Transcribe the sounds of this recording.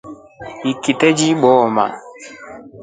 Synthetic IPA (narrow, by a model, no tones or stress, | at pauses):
ikitɛd͡ʒiɓɔma̰